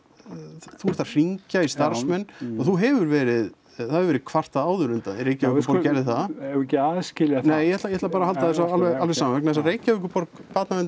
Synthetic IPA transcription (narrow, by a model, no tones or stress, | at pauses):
θuɛɾ̥t̪ḁr̥iɲcaist̪aɾ̥smɛnːaθuɦɛvʏɾvɛːɾɪð | θaðʏɾvɛɾɪðkʰvar̥t̪aðaːwðʏɾʏnt̪a̰niɾejcavʏkːpɔɛɾðɪθaðɛɛcɪaːðscɪlaneːjɛhɛt̪lajɛhɛt̪lapaɾahalt̪aðɛsaalvɛalvɛsaːmavɛknaðɛs̬areːjcavʏkʏpɔɾkpat̪naɛn